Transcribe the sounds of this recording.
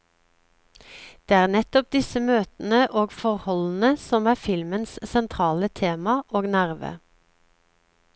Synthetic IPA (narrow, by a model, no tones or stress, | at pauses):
d̪̥eːæːʁnɛt̪ɔp̚d̪ɪsəmøːt̪n̩əʔoːɡfɔʁhɔln̩əsɔmæːfɪlmənssɛnt̪ʰʁɑːlət̪ʰeːmɑʔoːɡnæʁʋə̰